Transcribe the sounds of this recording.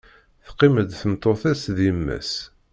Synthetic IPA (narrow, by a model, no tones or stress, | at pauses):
θqːiməd̪θəmt̪ˤːoθæsðiəmːæ̰s